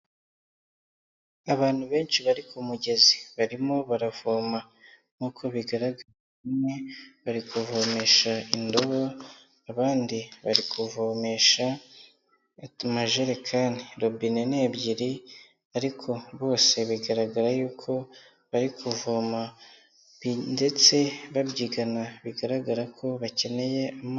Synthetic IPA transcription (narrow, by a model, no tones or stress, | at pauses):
aβaːn̥huβe̞ːnt͡ʃiβaɾikumuɟe̞zi̥βaɾimo̞βaɾav̥oːma | ŋ̥uːkʰo̞βiɡaɾaɡaɾɾa | imŋe̞βaɾikuvome̞ːʃaindo̞βo | aβaːndiβaɾikʰuvome̞ʃa | maʒeɾekʰaniɾobinene̞ːbɟiɾi | aɾikʰo̞βo̞ːse̞βiɡaɾaɡaɾajuːkʰo̞ | βaɾikʰuvoma | inde̞t͡se̞βabɟiːɡanaβiɡaɾaɡaɾakʰo̞βace̞ne̞je̞ʔam